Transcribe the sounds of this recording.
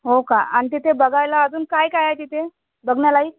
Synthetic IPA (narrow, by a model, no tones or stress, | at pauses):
ɦokaanit̪̬et̪ebəɡajlaəd͡zuːnkajkajajt̪it̪ʰe | bəɡɳjalaiː